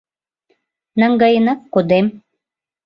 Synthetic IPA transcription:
nə̆ŋɡɑjənɑkːod̪em

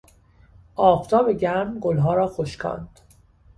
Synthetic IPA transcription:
ʔɒːft̪ʰɒːbe̞ɟæmɡolɦɒːɾɒːxoʃkʰɒ̰ːnd̪̥

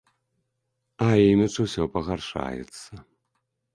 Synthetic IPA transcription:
ainɨt͡ʂɨwsʲɔpɐɣarʂa̰jɛ̰t̪sɐ

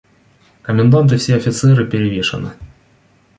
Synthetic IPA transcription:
kəmʲɪnd̪ant̪̬ɨfsʲeɐfʲɪt̪sɛɾɨpʲɪɾʲɪvʲeʂɨ̰nɨ̰

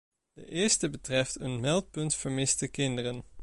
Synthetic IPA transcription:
d̥ə̰ʔɪːɹstəbətrɛftənmɛlˠt̚pɵntfəɹmɪstəkɪndərən

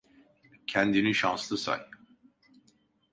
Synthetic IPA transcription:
cʰænd̪iniʃanslˠɯsa̰j

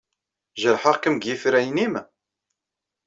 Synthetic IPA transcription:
ʒəɾħəʁkəmɡjifɾæjnim

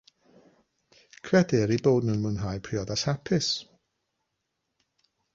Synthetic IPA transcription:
kʰrɛdɪɾiboːdnɨnmɨnɦaːjpʰriɔðasapʰɪs

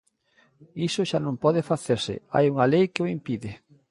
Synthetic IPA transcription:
isʊʃanõmpɔðɪfaθeɾsɪ̰a̰juŋalejkɪoimpiðɪ

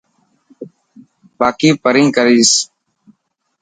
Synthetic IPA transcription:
baːkiːpəɾĩːkəɾiːs

